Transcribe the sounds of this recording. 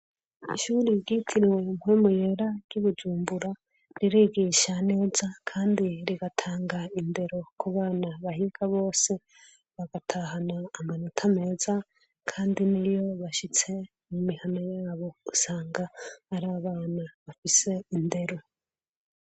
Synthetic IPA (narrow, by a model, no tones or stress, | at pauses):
ḭʃuɾiɟitʰiɾiwe̞mhwemuje̞ɾaɡjuβud͡ʒuːmbuɾa | ɾiɾiɡiʃane̞ːzakʰaːndiɾiɡatʰaːŋɡainde̞ɾo̞kuβaːnaβahikaβo̞ːse̞ | βaɡatʰaɦanaːmanotʰame̞ːza | kʰaːndinijo̞βaʃit͡se̞ | mumihanojaːβo̞usaːŋɡaːɾaːβaːnaβafise̞inde̞ɾo̞